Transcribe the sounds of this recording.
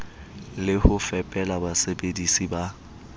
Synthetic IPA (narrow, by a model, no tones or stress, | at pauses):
lɪhʊfɛpʼɛlabasebedisiba